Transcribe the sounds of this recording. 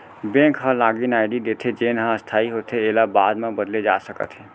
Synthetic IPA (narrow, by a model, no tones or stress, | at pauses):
bẽːkɦə̃laːɡinaːɪɖid̪eːt̪ʰed͡ʒeːnɦãəst̪ʰaːiɦoːt̪ʰeeːlabaːd̪mẽbəd̪led͡ʒa̰ːsəkə̰t̪ɦɛ̃ː